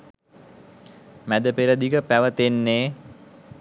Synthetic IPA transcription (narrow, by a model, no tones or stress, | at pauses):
mæd̪əpeɾəd̪ikəpæʋət̪enːeː